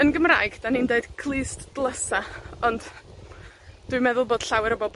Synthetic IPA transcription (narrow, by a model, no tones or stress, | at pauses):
ənɡəmra̰ːɨɡ̥danindeɨd̥kʰlˠɨːstd̥lˠəsaɔnd̥ | d̥wɨjmɛðʊlˠboːd̥ɬawɪɾəbɔb